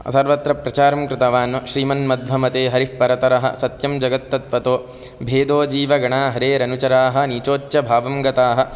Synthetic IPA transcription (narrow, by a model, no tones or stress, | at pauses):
ɐ̰sɐɾʋɐt̪ɾɐpɾɐt͡ʃaːɾɐmkɾɪt̪ɐʋaːnʋɐʃɾiːmɐnmɐd̪ʋɐmɐt̪eːɦɐɾipɐɾɐt̪ɐɾɐɦɐ̰̆sɐt̪jɐmd͡ʒɐɡɐt̪ːɐt̪ʋɐt̪oː | bʱeːd̪oːd͡ʒiːʋɐɡɐɳaːɦɐɾeːɾɐnut͡ʃɐɾaːɦɐ̆niːt͡ʃoːt͡ʃjɐbʱaːʋɐmɡɐt̪aːɦɐ̆